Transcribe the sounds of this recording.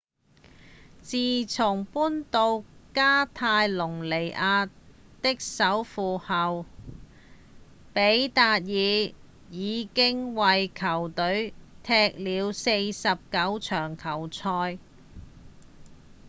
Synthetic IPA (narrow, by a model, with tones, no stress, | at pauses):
t͡siː˨t͡sʰʊ˨˩ŋpuː˥nt̪o˧wkaː˥t̪ʰaː˧jlʊ˨˩ŋle˨˩jʔaː˧tt̪ɪ˥k̚sɐ˨˥wfuː˨hɐ˨w | pe˨˥jt̪aː˧t̚jiː˨˧ | jiː˨˧kɪ˥ŋwɐ˨jkʰɐ˨˩wt̪ɵ˨˥ɥt̪ʰɛː˧k̚liː˨˧wse˧jsɐ˨p̚kɐ˨˥wt͡ʃʰœː˨˩ŋkʰɐ˨˩wt͡sʰɔː˧j